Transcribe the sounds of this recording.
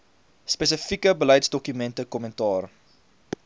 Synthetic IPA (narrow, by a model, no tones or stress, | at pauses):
spɛs̬əfikəbələjtsdɔkymɛntəkɔməntɑːr